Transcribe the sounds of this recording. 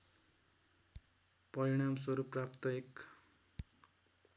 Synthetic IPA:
pʌɾiɽ̃amswʌɾuprap̚t̪ʌek

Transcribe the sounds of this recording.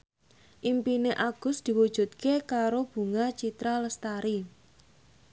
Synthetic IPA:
ʔimpineʔaɡ̥ʊ̤sd̪̥i̤wud̥ʒ̥ṳt̪̚kekaɾob̥ṳŋat͡ʃit̪ɾaləst̪aɾi

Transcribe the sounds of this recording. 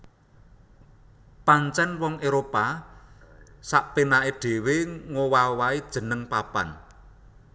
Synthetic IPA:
paɲt͡ʃɛnwɔŋeɾopa | saʔpinaeɖ̥e̤weŋowawaid̥ʒ̥ə̤nəŋpapa̰n

